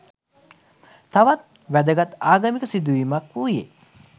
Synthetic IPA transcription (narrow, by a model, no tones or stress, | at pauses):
t̪aʋat̪̚ | ʋæd̪əɡat̪aːɡɐmikəsid̪uʋimakʋuje